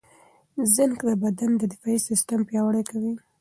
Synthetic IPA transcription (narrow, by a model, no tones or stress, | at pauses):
zənkd̪əbad̪and̪əd̪ɪfɑisɪst̪ampjɑwaɽəjkawi